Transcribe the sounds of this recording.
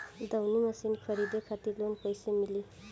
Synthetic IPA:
d̪ʌwnimʌsinkʰʌɾid̪ekʰat̪ilonpojsemili

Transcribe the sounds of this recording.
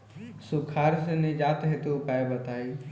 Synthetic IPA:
sukʰaɾsened͡ʒat̪ɦet̪eupaebət̪ai

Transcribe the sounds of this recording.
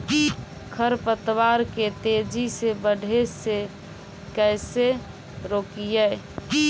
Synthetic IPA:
kʰəɾpət̪waɾket̪ed͡ʒʱisebəɖʱese | kəjse | ɾokijə

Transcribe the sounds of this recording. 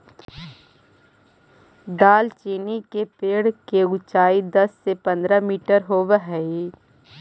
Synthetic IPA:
d̪aːlt͡ʃiːnikepeːɽkeʊt͡ʃaːid̪əsːepə̃nd̪ɾəmiːʈəɾɦoːʋɦɛi

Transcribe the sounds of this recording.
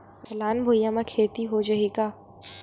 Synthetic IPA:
hɐlaːnbʱujamãkʰeːt̪iɦod͡ʒɐɦikaː

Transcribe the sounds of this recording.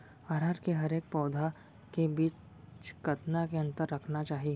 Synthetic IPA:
aːɾaːɾkeɦɐɾeːk̚pɔːd̪ʱa | kebiːt͡ʃ | t͡ʃkɐt̪nakeɐ̃nt̪əɾːɐkʰnat͡ʃaːɦi

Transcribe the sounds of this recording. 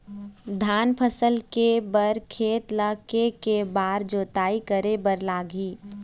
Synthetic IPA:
d̪ʱaːnpʰəsəlkebəɾkʰeːt̪ləkekebaːɾd͡ʒoːt̪aːikəɾebəɾlaːɡiː

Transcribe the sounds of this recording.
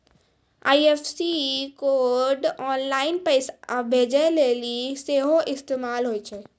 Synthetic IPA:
aːjepʰsikoːɾɖɔːnlaːɪnpəɪsbʱeːd͡ʒɛleliseɦoʔɪst̪eːmaːlɦojt͡ʃʰɛ

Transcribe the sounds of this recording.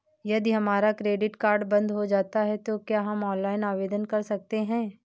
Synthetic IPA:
jɐd̪iɦɐmaːɾakɾeːɖɪʈkaːɾɖbɐ̃nd̪ɦod͡ʒaːt̪aɦɛt̪okjaːɦɐmɔːnlaːɪnaːʋeːd̪ənkɐɾsɐk̚t̪eɦɛ̃ː

